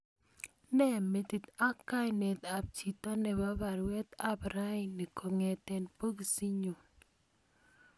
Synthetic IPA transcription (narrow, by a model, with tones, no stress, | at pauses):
nɛ˦me˨t̪i˨t̪a˦kːa˦jnɛ˨t̪a˨b̚t͡ʃi˨t̪a˦nɛ˨ba˦ba˨ɾwɛ˦t̪a˦bɾa˦i˨ni˨kʰo˨ŋɛ˨t̪ɛ˦npo˦ɡi˨si˦ɲo˨n